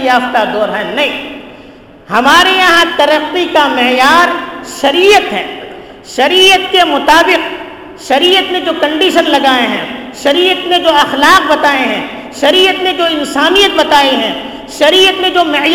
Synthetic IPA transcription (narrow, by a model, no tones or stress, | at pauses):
jaːft̪ad̪ɔːɾɦɛ̃nɐɦĩː | hɐmaːɾejɐɦãt̪ɐɾəqːikamɪjaːɾʃɐɾiːjət̪ɦɛ̰ː | ʃɐɾiːət̪kemʊt̪aːbɪq | ʃɐɾiːjət̪mẽd͡ʒoːkɐ̃ɳɖiːʃənlɐɡaːẽɦɛ̰̃ːʃɐɾiːjət̪mẽd͡ʒoːɐxlaːq̚bɐt̪aːẽɦɛ̃ː | ʃɐɾiːət̪mẽd͡ʒoːɪnsaːnijət̪̚bɐt̪aːiɦɛ̃ː | ʃɐɾiːjət̪mẽd͡ʒoːmɪj